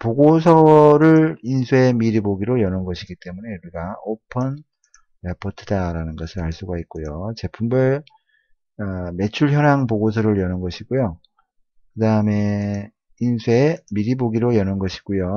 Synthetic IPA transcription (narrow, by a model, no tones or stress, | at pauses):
poɡosʰʌwɾɯɭinsʰue̞miɾiboɡiɾojʌnɯnɡʌɕʰiɡit͈e̞mune̞uɾiɡaopʰʌn | epʰʌtʰɯdaɾanɯnɡʌsʰɯɾaɭs͈uɡaik̚k͈ojot͡ɕe̞pʰumbɯ | ʌme̞t͡ɕʰuɭçjʌnaŋpoɡosʰʌɾɯɾjʌnɯnɡʌɕʰiɡojo | kɯdaɯme̞ | insʰue̞miɾiboɡiɾojʌnɯnɡʌɕʰi̥ɡ̥ojo